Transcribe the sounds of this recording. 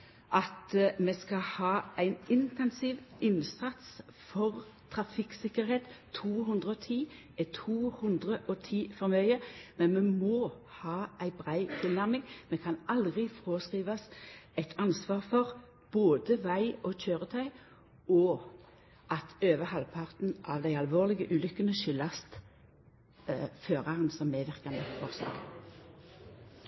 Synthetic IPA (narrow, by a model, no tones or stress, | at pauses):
ʔɑt̪meːskɑhɑːʔæɪnɪnt̪ɛnsiːʋɪnsɑt̪sfɔʁt̪ʰʁɑfɪksɪkəɾheːt̪t̪ʰːuːɦʉnd̪ʁəɔt̪ʰiː | ɛt̪ʰuːhʉnd̪ʁəʔɔt̪ʰiːfɔɾmœʏəmɛnmɛmoː | hɑːʔæɪbʁæɪt̪ʰɪlnæʁmɪŋmɛkʰɑnɑld̪ʁɪfɔʁoːskʁiːʋɑsæɪt̪ʰɑnsʋɑːʁfɔʁ | b̥oːd̪əʋæɪɔc͡çøːʁət̪ʰɑɪ | ɔ | ʔɑt̪ʰøːʋəhɑlpʰɑʁt̪n̩ʔɑʋd̪æɪɑlʋoːʁlɪɡəʔʉːlʏkːənəʃʏlːɑst̪ | føːʁɑʁənsɔmːɛʋɪʁkɑnəfɔʁslɑ̰ːɡ